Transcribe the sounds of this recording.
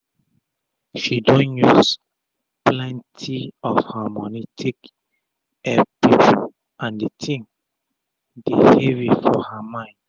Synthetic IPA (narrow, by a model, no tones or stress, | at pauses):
ʃidɔ̃njus | plɛ̃ntʰiɔfhamɔnitʰik | ɛpit͡ʃ | ʔãnditʰĩŋ | deheɹifɔhamãɪ̃nd